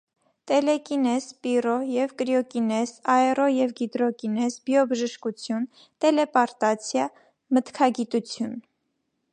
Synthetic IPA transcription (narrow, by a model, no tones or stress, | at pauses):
t̪ɛlɛkinɛzpirɔjɛvkɾiɔkinɛzɑɛrɔjɛvɡid̪ɾɔkinɛzbjɔbəʒəʃkut͡sʰjun | t̪ɛlɛpɑɾt̪ɑt͡sʰjɑ | mət̪kʰɑɡit̪ut͡sʰjun